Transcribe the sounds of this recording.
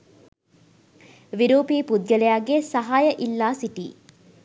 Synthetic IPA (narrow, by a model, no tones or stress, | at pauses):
ʋiɾuːpiːpud̪̚ɡəlejaɡesɐɦaːjəʔilːaːsiʈḭː